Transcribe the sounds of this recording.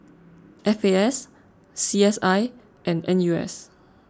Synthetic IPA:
ʔɛfeɛsː | iɛsaɪ | ʔɛ̃nɛ̃njuɛ̰s

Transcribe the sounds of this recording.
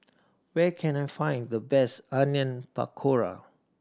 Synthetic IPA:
wɛkʰɛ̃najfãɪ̃ndəbɛsãnjə̃npa̰kʰoɹa̰

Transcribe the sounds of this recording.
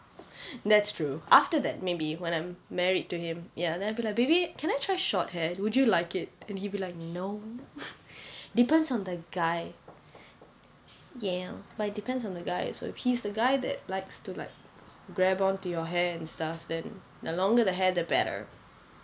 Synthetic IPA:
d̪ɛtstʰɹ̥uʔaftəðɛ̰t̚mebiwɛ̃ñãɪ̃mːɛɹid̚tuhɪ̃mjadɛ̃naɪbilajk̚beɪbikʰɛ̃ñaɪtʰɹ̥aɪʃɔt̚hɛdwʊd͡ʒulaɪkɪt̚ɛ̃nhibilaɪk̚noʊ | d̥ipɛ̃ndsɔ̃ndəɡaɪ | jɛbat̚d̥ipɛ̃ndsɔ̃n̩d̪əɡaɪso̰ʊɪfhizðəɡaɪðɛ̰t̚laɪkstula̰ɪk̚ɡɹɛbɔ̃ntujɔɦɛɛ̃nstafdɛ̃nː | olɔ̃ŋɡəðəɦɛdəbɛ̰ɾə̰˞

